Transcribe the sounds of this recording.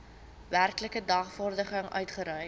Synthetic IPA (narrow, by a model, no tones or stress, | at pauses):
værkləkədɑχfɔrdəχəŋœ̰ɥtχəɾœj